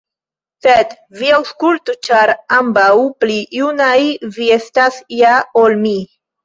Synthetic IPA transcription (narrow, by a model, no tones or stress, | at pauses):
sed̪ | viawskultut͡ʃaɾambawplijunajviest̪asjaolmi